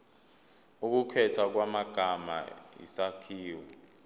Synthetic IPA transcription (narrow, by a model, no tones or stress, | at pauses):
uk̬ukʰɛtʰak̬wamaɡ̥ʱama̰ḭsakʰiːwɔ